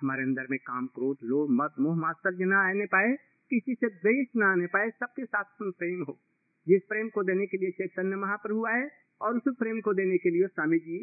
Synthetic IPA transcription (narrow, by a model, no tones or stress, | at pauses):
ɦɐmaːɾeɐ̃nd̪əɾmẽkaːmkɾoːʈ̪loːmɐd̪moːɦmaːst̪əɾd͡ʒənaanepaːe | kisiseb̪eːsnaaːnepaːesɐb̚kesaːt̪ʰt̪ʊmpɾeːmɦoː | d͡ʒɪspɾeːmkod̪eːnekeliet͡ʃeːksɐnjəmɐɦãpəɾɦʊaɦɛ | ɔːɾʊspɾeːmkod̪eːnekeliesaːmɪd͡ʒiː